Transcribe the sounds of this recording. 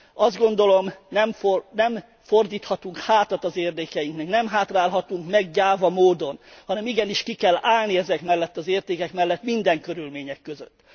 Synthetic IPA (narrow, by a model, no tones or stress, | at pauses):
ɒzd̪ɡo̞nd̪o̞lo̞mnɛmfonɛm | fo̞rd̪iːt̪hɒt̪uŋkhaːt̪ɒt̪ɒzeːrd̪ɛːkɛjiŋknɛknɛmɦaːt̪raːlɦɒt̪uŋkmɛɡɟaːvɒmoːd̪o̞nhɒnɛmiɡɛniʃkikɛlaːlniɛzɛkmɛlːɛt̪ːɒzeːrt̪eːkɛkmɛlːɛt̪mind̪ɛŋkø̞ɾylmeːɲɛkːø̞zø̰t̪ː